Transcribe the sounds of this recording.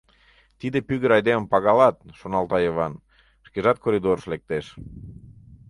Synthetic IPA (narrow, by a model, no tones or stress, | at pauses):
t̪id̪epyɣəɾɑjd̪eməmpɑɣɑlɑt̪̚ʃonɑlt̪ɑjeβɑn | ʃkeʒɑt̪̚kʰoɾid̪oɾəʃlek̚t̪eʃ